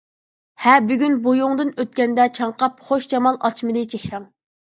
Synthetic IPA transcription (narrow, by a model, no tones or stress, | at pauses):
hɛbyɡʲynbojuŋd̪ɨnøt̪̚kʲɛnd̪ɛt͡ʃʰɑɴqɑpχoʃd͡ʒɑmɑlˠʔɑ̰t͡ʃmɨd̪ɨt͡ʃʰekʲɾæŋ